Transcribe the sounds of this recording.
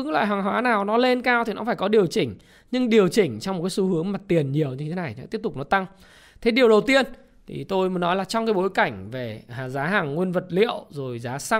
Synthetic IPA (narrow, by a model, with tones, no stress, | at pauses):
la̰ː˧˨ɦwaː˨˩ŋɦwaː˨˦naː˨˩wnɔ˨˦le˧nkaː˧wt̪ʰi˨˩nɔ̰˨˦faː˧˩jkɔ˨˦ɗi˨˩əwt͡ɕï˧˩ŋ̟ | ɲɨ˧ŋɗi˨˩əwt͡ɕï˧˩ŋ̟t͡ɕɔ˧wŋ͡mo˨˩kːsu˨˦hɨ˨˦əŋmaː˨˩t̪i˨˩ənɲi˨˩əwɲɨ˧t̪ʰe˨˦na˨˩jt̪i˦˥əp̚t̪ʊ˨˩k͡p̚nɔ˨˦jt̪a˧ŋ | t̪ʰe˨˦ɗi˨˩əwɗə˨˩wt̪i˧ən | t̪ʰḭ˨˩t̪o˧jmɨ˨˦nɔ˨˦jlaː˨˩t͡ɕɔ˧ŋ͡mkaː˨˦jɓo˨˦jka˧˩jŋ̟ve˨˩˨zaː˨˦ɦaː˨˩ŋːwi˧ənvə˨˩t̚lḭ˧˨ə̰wzo˨˩jzaː˨˦sa˧